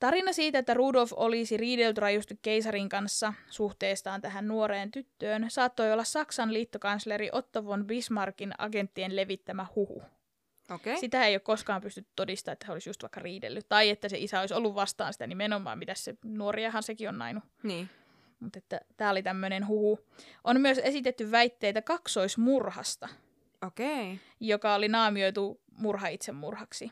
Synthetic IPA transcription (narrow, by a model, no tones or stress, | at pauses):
t̪ɑrinɑsiːt̪æet̪ːæruːdolfolisiriːdelt̪yrɑjust̪ukkeisɑriŋkɑnsːɑsuht̪eːst̪ɑːnt̪æɦænnuoɾeːnt̪yt̪ːøːnsɑːt̪ːojolːɑssɑksɑnliːt̪ːokɑnsleɾiʔot̪ːoʋonbismɑrkinɑ̰ɡent̪ːienle̞ʋit̪ːæmæhuhṵ | oessit̪æejokkoskɑːmpyst̪yt̪ːyt̪odist̪ɑːet̪ːæseolisjust̪ʋɑ̰ikːɑriːdḛlːyt̪t̪ɑiet̪ːæseisæoisolːuʋʋɑst̪ɑ̰ːnsi̥t̪ænimenomˑɑ̰ːmmit̪æssenuoriɑhɑnsekionnɑ̰inu | niː | mut̪et̪ːæt̪æːolit̪æmːønenɦuhu | ʔonmyøsesit̪et̪ːyʋʋæit̪ːeːt̪ækɑksoismurhɑ̰st̪ɑ | okei | jokɑolinɑːmioit̪u | murhɑit̪semːurhɑksi